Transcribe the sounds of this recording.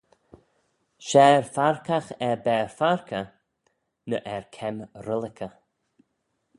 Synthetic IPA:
ʃɛːɹfaɹkaxɛɹbɛːɹfaɹkʰə | nəʔɛɹkʰɛmɾəlɪkʰə

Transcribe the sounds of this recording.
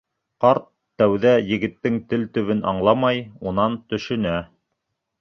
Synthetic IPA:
qɑɾt̪ːæwðæjɘ̆ɡɘ̆t̪ːɘŋt̪ɘlt̪ɵ̆βɘnɑ̰ɴlˠɑmɑjunɑnt̪ɵ̆ʃɵ̆næ

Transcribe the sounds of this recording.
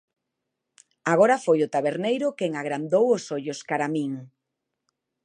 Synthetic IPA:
aɣoɾafojʊt̪aβeɾnejɾʊkeŋaɣɾand̪owosoʎoskaɾamĩŋ

